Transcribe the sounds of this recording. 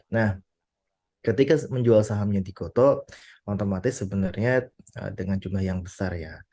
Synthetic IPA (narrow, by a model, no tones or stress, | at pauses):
nah | kət̪ikaməɲd͡ʒualsaɦamɲadikot̪omot̪omat̪ɪsːəbənarɲaə̰dəŋant͡ʃumlahjaŋbəsarja